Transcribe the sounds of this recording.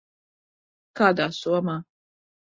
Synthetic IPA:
kaːd̪aːsuɔmaː

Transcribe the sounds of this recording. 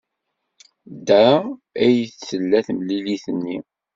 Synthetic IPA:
d̪ææjθθəlːæθmliliθənːi

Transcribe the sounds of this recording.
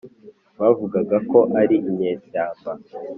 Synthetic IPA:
βavuɡaɡako̞ʔaɾiʔimɲeːsaːmba

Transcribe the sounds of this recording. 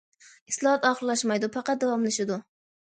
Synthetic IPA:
islˠɑhɑt̪ɑχəllːˠɑʃmɑjd̪upʰɑqɑt̪̚d̪ɑwɑmlɪʃɪd̪u

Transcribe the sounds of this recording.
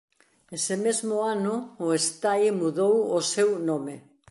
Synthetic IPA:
esɪmezmʊanʊʊest̪ajmuðowʊsewnome

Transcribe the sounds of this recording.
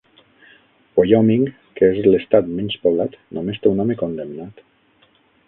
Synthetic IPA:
pojɔmiŋ | keezlest̪at̪mɛnspoβlat̪nʔomest̪eunɔmekond̪emnat̪

